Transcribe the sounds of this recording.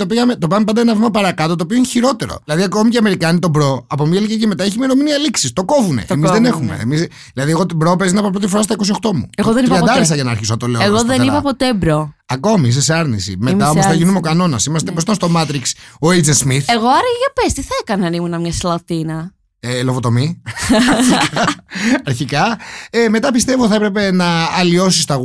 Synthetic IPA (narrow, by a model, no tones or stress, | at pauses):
t̪opiɣɐmet̪o̞piɣɐmepɐnd̪ɐenɐvimɐpɐɾɐkɐt̪ot̪oːpioineçiɾo̞t̪e̞ɾo̞̰lɐðiɐkomiceɐme̞ɾikɐnit̪o̞bɾo̞ɐpomɐlicɐceme̞t̪ɐeçimeɾo̞miniɐliksist̪o̞ko̞vunḛʔmizðenexume̞̰ḛmiz | ðilɐðieɣo̞t̪obɾopezinɐpop̬ɾo̞t̪ifoɾɐs̬t̪ɐikos̬io̞xt̪o̞mṵeɣoðeniɾɐɐd̪ɐɾest̪ɐʝɐnɐːɾçisoɐt̪oleeɣoðenipɐpot̪ebɾoɐko̞mis̬es̬ɐɾnisḭmet̪ɐomosθɐʝinumeokɐno̞nɐsimɐst̪eposit̪ɐnst̪o̞mɐt̪ɾiksoejd͡zensmiθeɣoɐɾɐiʝɐpest̪iθɐekɐnɐnimunɐmɲɐslɐθinɐ | elovot̪o̞mi | ɐɾçikɐeme̞t̪ɐpist̪e̞voθɐepɾe̞pe̞nɐːlio̞sist̪ɐɣ